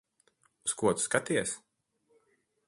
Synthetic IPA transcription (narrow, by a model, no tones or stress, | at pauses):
uskuɔt̪skat̪iɛs